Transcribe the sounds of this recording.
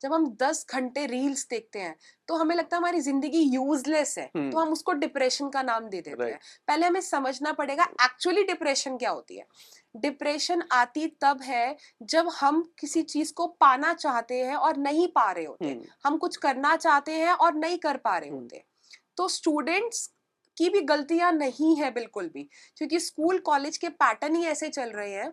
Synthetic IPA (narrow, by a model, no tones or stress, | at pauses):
d͡ʒɐbʱɦɐmd̪ɐsɡʱɐ̃ɳʈeɾiːlsd̪eːk̚t̪eɦɛ̃ːt̪oɦɐmẽlɐɡ̚t̪aɦɛɦɐmaːɾizɪ̃nd̪əɡijuːzlesɦɛ̰̃ːt̪oɦɐmʊskoɖɪpɾeːʃənkanaːmd̪eːd̪ḛːt̪ḛɦɛ̃pɛːleɦɐmẽsɐməd͡ʒʱnapɐɽeːɡaɛːk̚t͡ʃuwəliɖɪpɾɛːʃənkjaːɦo̰ːt̪ḭɦɛ̰ː | ɖɪpɾeːʃənaːt̪it̪ɐbɦɛ | d͡ʒɐbhɐmkɪsit͡ʃiːzkopaːnat͡ʃaːɦt̪eɦɛ̃ɔːɾnɐɦĩpaːɾeɦo̰ːt̪ḛɦɛ̰̃hɐmkʊt͡ʃʰkɐɾnat͡ʃaːɦt̪eɦɛ̃ʔɔːɾnɐɦĩkɐɾpaːɾḛɦo̰ːt̪ḛɦɛ̃ | t̪oːsʈuːɖə̃ɳʈs | kibʱiɡɐlt̪ijanɐɦĩɦɛbɪlkʊlbʱi | kjõːk̬iskuːlkɔːleːd͡ʒkepɛːʈənɦiɛːset͡ʃɐlɾɐɦeɦɛ̃ː